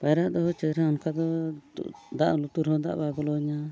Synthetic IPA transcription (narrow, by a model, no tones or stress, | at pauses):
pajɾaʔd̪ɔɦɔt͡ʃɛɾaɔnkʰad̪ɔṵʔd̪a̰ʔlut̪uɾhɔ̃d̪a̰ʔbaɡɔlɔɲa